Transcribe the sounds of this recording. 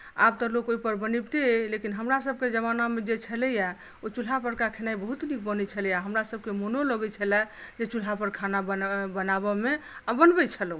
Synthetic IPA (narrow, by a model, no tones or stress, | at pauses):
a̰b̚t̪ɔlokoipəɾbənibt̪elekinɦəmɾasəb̚ked͡ʒəmanamed͡ʒet͡ʃʰəlɛja | ot͡ʃul̤ɦapəɾkakʰenaibəɦut̪nik̚bənɛt͡ʃʰəlɛjaɦəmɾasəb̚kemonoloɡit͡ʃʰəlɛ | d͡ʒet͡ʃul̤ɦapəɾkʰanabənabɔmeabənbɛt͡ʃʰəl